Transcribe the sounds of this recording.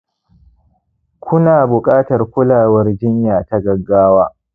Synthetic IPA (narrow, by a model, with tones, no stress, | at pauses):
kʷʊ˦naː˨bʊ˨kʼaː˦tɐ˨rkʷʊ˦laː˨wɐ˦rd͡ʒɪ˦ɲjaː˨ta˦ɡɐ˨ɡːaː˦waː˦